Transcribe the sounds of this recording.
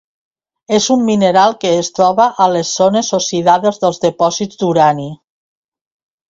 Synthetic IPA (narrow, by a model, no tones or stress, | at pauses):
ezumːineɾalˠkeːst̪ɾɔβaʔəlesːonesosiðaðezðəlˠzðepɔzizd̪uɾani